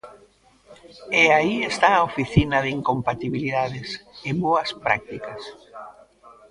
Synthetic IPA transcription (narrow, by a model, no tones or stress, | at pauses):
eaiest̪aːofiθinɐðiŋkompat̪iβiliðaðɪsɪβoɐspɾa̰k̚t̪ikɐs